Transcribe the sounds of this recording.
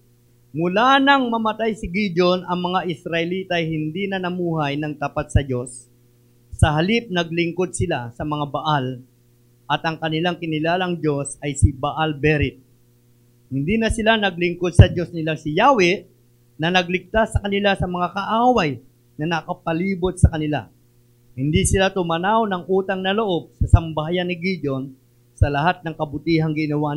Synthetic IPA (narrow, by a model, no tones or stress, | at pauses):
mʊlanɐŋmɐmɐt̪ajsɪɡid͡ʒonʔɐŋmɐŋaʔɪsɾɐʔɪliːt̪ɐɐjhɪnd̪inɐnɐmuːɦɐjnɐŋt̪ɐpat̪̚sɐd͡ʒo̞sː | ɐɦɐlip̚nɐɡ̚lɪŋko̞d̪̚sɪlasɐmɐŋabɐʔal | ʔɐt̪ʔɐŋkɐnɪlaŋkɪnɪlaːlɐŋd͡ʒo̞sɐjsɪbaʔalbɛɾɪt̪̚ | hɪnd̪inɐsɪlanɐɡ̚lɪŋko̞d̪̚sɐd͡ʒo̞snɪlaŋsɪjaːwɪʔ | nɐnɐɡlɪɡ̚t̪asːɐkɐnɪlasɐmɐŋakɐʔaːwɐj | nɐnɐkɐpɐliːbot̪̚sɐkɐnɪla̰ | hɪnd̪isɪlat̪ʊmɐnawnɐŋʔuːt̪ɐŋnɐloʔo̞b̚sɐsɐmbaɦajanːɪɡid͡ʒo̞n | sɐlɐɦat̪̚nɐŋkɐbʊt̪iːɦɐŋɡɪnɐwa